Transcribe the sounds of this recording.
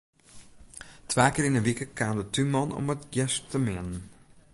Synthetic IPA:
tʰʋaːkɪːrɪnənʋikəkʰaːndətʰymɔno̰mətjɛstʰəmɛnən

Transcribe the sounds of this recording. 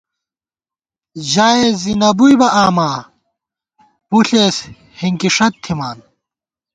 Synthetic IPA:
ʑaːezinɐbujbɐʔaːmaː | muɬeːs | hiŋkiʂɐt̪ʰːimaːn

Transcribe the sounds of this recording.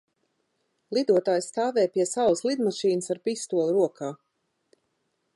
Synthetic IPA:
lˠid̪uɔt̪aːjsːt̪aːvɛːjpiɛsawslˠid̪maʃiːnəsaɾpist̪uɔlˠɾuɔkʰaː

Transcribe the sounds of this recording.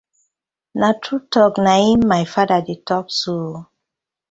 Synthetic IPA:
natʰɾutɔknaimːajfadadetɔpso

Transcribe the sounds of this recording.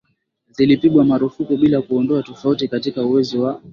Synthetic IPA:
zilipiɠwamaɾufukuɓilakuɔndɔatɔfautikatikauwɛziwa

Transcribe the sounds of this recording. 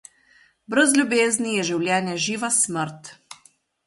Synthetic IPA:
bɾəzlʲjubeːznijɛʒiwlʲjɛːnjaʒiːʋasməɾt̪

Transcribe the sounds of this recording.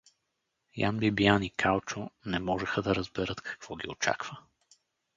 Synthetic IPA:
ja̰nbibianikʰalˠt͡ʃonɛmɔʒɛxəd̪ɐɾəzbɛɾət̪kʰɐ̥kv̥ɔɡʲio̰t͡ʃa̰kv̥ə

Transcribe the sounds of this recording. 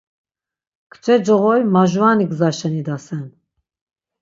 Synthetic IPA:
kʰt͡ʃʼɛd͡ʒɔʁɔjmaʒvaniɡzaʃɛnid̪asɛn

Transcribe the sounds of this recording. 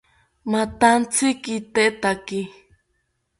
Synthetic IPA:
mãt̪ant͡sʰikit̪eʔt̪aki

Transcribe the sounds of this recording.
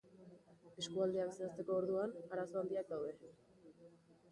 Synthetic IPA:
eskuald̪eaβeseast̪e̞ko̞ːɾðuanaɾasoand̪iak̚d̪awðe̞

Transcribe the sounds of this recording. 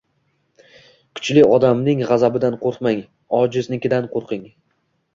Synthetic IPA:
kʰʊ̥t͡ʃlɪɒd̪amnɪŋʁɑzabɪd̪anqʰoɾqmaŋ | ɒd͡ʒɪznɪkʲɪd̪anqʰoɾqɪŋ

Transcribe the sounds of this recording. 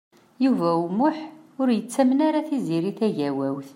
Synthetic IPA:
juvæumʊħʊɾjət͡sːæmnaɾaθiziɾiθæʝæwæwθ

